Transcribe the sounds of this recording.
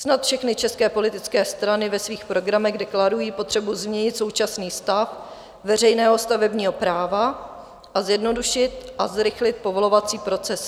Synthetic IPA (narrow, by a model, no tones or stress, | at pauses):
snat̪fʃɛxnɪt͡ʃɛskɛːpo̞lɪt̪ɪt͡skɛːst̪ɾanɪvɛsviːxpɾo̞ɡɾamɛɣdɛklaɾujiːpo̞t̪r̝̥ɛbuzmɲɛɲɪt̪so̞wt͡ʃasniːst̪af | vɛr̝ɛjnɛːɦo̞st̪avɛbɲiːɦo̞pɾaːva | ʔazjɛdno̞duʃɪt̪ʔazɾɪxlɪt̪̚povo̞lo̞vat͡siːpɾo̞t͡sɛs